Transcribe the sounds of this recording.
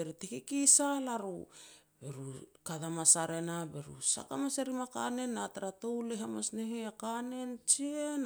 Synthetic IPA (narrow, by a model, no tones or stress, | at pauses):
eɾitekikisalaɾu | beɾukadamasaɾe̞nabe̞ɾṵsa̰kamaseɾimaka̰ne̞nːataɾatowleɦamasneɦeakane̞nt͡ʃien